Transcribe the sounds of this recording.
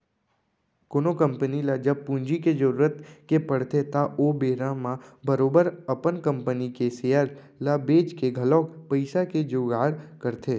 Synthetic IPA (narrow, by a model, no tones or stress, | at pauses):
koːnokə̃mpənilad͡ʒɐb̚pũnd͡ʒiked͡ʒəɾuːɾət̪kepɐɽ̤t̪et̪aʔobeːɾãmãbəɾoːbəɾɐpənkə̃mpənikeseːjaɾ | labeːd͡ʒkeɡʱəlɔːkpəɪsaked͡ʒoːɡaːɽkəɾt̪ʰeː